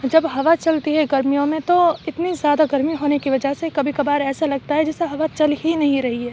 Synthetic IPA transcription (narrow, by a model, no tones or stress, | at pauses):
d͡ʒɐbɦɐʋat͡ʃɐlt̪iɦɛɡɐɾmijõmẽt̪oɪt̪nizjaːd̪aɡɐɾmiɦoːnekiʋɐd͡ʒəɦsekɐbʱikɐbaːɾɛːsalɐɡ̚t̪aɦɛd͡ʒɪseɦɐʋat͡ʃɐlɦinɐɦĩɾɐɦiɦɛː